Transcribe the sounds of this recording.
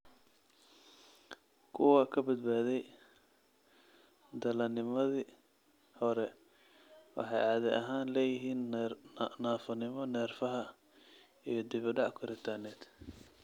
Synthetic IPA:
kʰʊwɐkʰɐbɐd̪̚baːðɛj | d̪ɐlɐnɪmɐði | hɔɾɛ | wɑ̰ħɑjɑːðɛʔɐɦaːnlɛːjɪɦiːn | naːfɐnɪmɔnɛːrfɐɦɐ | ijɞd̪ɪβɪɖɑʔkʰʊɾɪt̪ʰanɛːd̪

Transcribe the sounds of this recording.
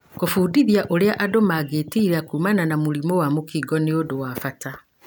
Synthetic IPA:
kofuːdiðiaʔoɾeaʔadomaɡeːtiːɾeakuːmananamuɾimowamokiɡɔneodowafata

